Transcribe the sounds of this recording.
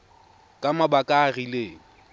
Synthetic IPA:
kʼamabakʼaːrileːŋ̩

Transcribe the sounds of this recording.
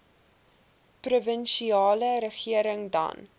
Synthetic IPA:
pruvənʃiɑːləɾəχiəɾəŋdɐ̰n

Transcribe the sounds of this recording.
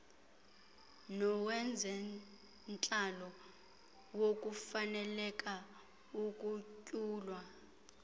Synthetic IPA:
nɔwɛnd͡zʱɛ | nt͡ɬʼalɔ | wok̬ʼufanɛlɛk̬ʼa | ukʼucʼuːlwa

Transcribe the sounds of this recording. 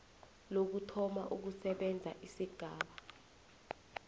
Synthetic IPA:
lok̬utʰɔmaʔuk̬usɛɓɛnd͡zʱa̰ʔisiɡ̥ʱaːɓa

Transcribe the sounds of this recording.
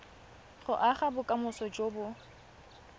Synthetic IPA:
χʊʔaχabʊkʼamʊsɔd͡ʒobʊ

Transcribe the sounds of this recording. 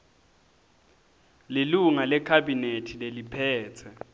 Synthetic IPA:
leluŋalɛkʰabinetʰilelipʰɛːt͡sʰɛ

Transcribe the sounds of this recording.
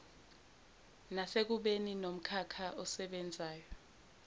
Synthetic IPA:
nasek̬uɓeninom̩kʰakʰaɔsɛɓɛnd͡zʱaːjɔ

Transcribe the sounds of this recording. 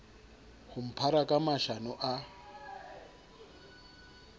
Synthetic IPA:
hum̩pʰaɾakʼamaʃanɔʔa

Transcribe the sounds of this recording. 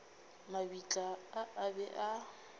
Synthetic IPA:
mabit͡ɬʼaːʔabɛʔa

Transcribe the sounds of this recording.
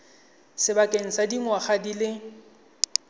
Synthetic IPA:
sɪbakʼeŋ̩sadiŋwaχadilɪ

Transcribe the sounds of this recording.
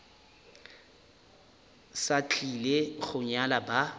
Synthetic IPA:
sat͡ɬʼileɣʊɲalaba

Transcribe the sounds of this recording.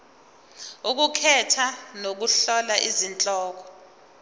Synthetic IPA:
uk̬ukʰɛtʰanok̬uɬɔlaʔizint͡ɬʼɔːk̬ɔ̥

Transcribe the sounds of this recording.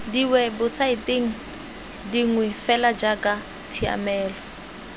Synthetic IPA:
diwɛbʊsaitʼeŋ̩ | diŋwɛfɛlad͡ʒakʼa | t͡sʰia̰mɛːlɔ

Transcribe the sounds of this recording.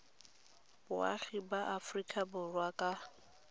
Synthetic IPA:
bʊa̰χibaʔafrikʼabʊrwakʼa

